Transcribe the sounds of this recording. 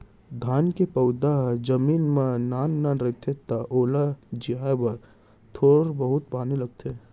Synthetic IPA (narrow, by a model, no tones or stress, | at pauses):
d̪ʱaːnkepɐʊd̪aɦd͡ʒɐmiːnmẽnaːnːaːnɾɪt̪ʰet̪aʔoːlad͡ʒijaːebɐɾ | t̪ʰoːɽbəɦʊt̪̚paːnilɐɡ̚t̪ʰe